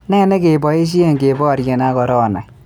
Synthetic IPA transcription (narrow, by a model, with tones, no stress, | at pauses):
nɛː˦nɛ˦ke˨bɔ˨e˦ʃ̬i˦e˦˨ŋ˨ɡe˨bɔ˦a˨ɾje˨na˦kɔ˨ɾɔ˦˨na̰˨j